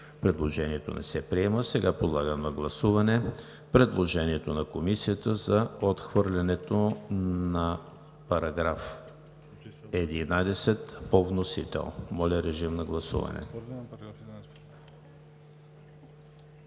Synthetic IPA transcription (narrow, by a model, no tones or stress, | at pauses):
pɾɛd̪lˠoʒɛniɛt̪o̰nɛ̰sɛpɾiɛməsɛɡapod̪lˠaɡənɐɡlˠɐsuvɐnɛ | pɾɛd̪lˠoʒɛniɛt̪onɐkomisijət̪əzɐot̪xvɤɾlʲɐnɛt̪onɐ | pɐɾɐɡɾaf | ɛd̪inad̪ɛsɛt̪povnosit̪ɛ̰lˠmɔlʲɐɾɛʒimnɐɡlˠɐsṵvɐ̰nɛ̰